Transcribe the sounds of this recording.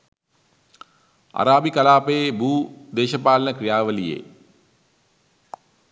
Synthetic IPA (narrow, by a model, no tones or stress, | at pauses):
a̰ɾaːbikɐlaːpəebuːd̪eːʃəpaːlənəkrijaːʋəlijḛː